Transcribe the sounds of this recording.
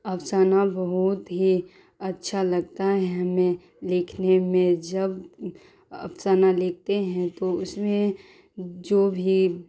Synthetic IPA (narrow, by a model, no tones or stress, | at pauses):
ɐʋsaːnabɐɦʊt̪ɦi | ɐtːʃʰalɐɡt̪aɦɛmẽ | lɪkʰnemẽd͡ʒɐb | ɐ̰psaːnalɪk̚t̪eɦɛ̃t̪oʊsmẽ | d͡ʒoːbʱi